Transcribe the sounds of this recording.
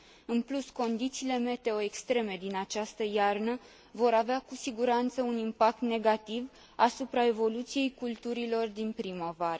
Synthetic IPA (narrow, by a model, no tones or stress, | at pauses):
ɨnplusko̞nd̪it̪siːle̞me̞t̪e̞o̞e̞kst̪ɾe̞me̞d̪inat͡ʃast̪əjarnə | vo̞ɾaveakusiɡuɾant̪səunimpak̚t̪ne̞ɡat̪iv | asupɾae̞vo̞lut̪sije̞jkult̪uɾilo̞rd̪inpɾimavaɾə